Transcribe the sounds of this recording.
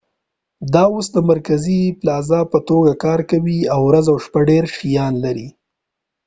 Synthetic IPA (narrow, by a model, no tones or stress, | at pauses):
d̪ɑosd̪əmaɾkaziplɑzɑpət̪oɡakɑɾkawiawɾazawʃpaɖeɾʃijɑnlaɾi